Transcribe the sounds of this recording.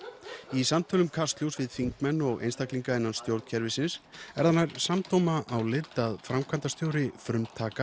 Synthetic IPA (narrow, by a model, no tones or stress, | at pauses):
isamt̪ʰœlʏmkʰast̪ljowsvɪðfiŋkmɛnːɔɣḛjnst̪akliŋkaɪnːanst̪jowɾt̪cʰɛɾvɪsɪnsɛ̰ɾðanːaɾsamt̪owmaʔawlɪt̪ːaðfɾamkʰant̪ast̪jowɾɪfɾʏmt̪ʰːaːka